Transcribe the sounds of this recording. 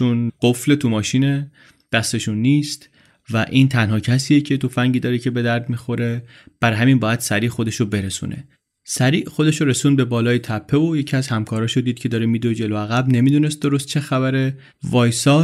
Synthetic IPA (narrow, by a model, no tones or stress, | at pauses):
t͡ʃunɢ̥ofle̞t̪ʰumɒːʃine | d̪̥æst̪e̞ʃunːiːst̪ | væʔiːnt̪ʰænɦɒːcʰæsiːjecʰe̞t̪ʰo̞fæŋɟiːd̪ɒːɾecʰe̞be̞d̪æɾd̪mixo̞ɾe̞ | b̥æɾɦæminbɒːjæd̪̥sæɾiːxo̞d̪e̞ʃobe̞ɾesṵnʔe̞̰ | sæɾiːʔxo̞d̪e̞ʃoɾesuːnbe̞bɒːlɒːjet̪ʰæpʰːeoje̞cʰiæzhæmkʰɒːɾɒːʃod̪iːd̪̥̚cʰe̞d̪ɒːɾemiːd̪od͡ʒe̞loæɣæbne̞mid̪uːne̞st̪̚d̪o̞ɾost̪̚t͡ʃʰe̞xæβæɾe | vɒːjsɒː